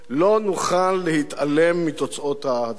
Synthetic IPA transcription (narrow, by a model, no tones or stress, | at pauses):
lo̞nuχalːehit̪ale̞mːit̪ot͡sʔo̞t̪had̪